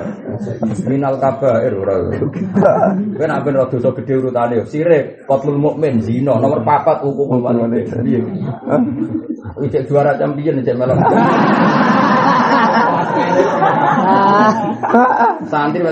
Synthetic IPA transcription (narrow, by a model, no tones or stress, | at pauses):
minalkab̥aeɾuɾa̰ | wenampɪnrɔd̪̥o̤sɔɡ̥ə̤ɖ̪̥e̤uɾut̪anesiɾe | kɔt̪lulmomɛnzinɔnɔmərpapat̪ukukomaeije | it͡ʃeʔd̥ʒ̥ṳaɾat͡ʃampijənit͡ʃeʔmelɔm | asin | sant̪ime